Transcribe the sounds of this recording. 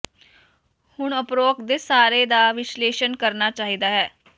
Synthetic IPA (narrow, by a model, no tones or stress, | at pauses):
hʊɳəpɾoːkd̪eːsaːɾeːd̪aːʋɪʃleːʃənkəɾnaːt͡ʃaːɦid̪aːɦɛː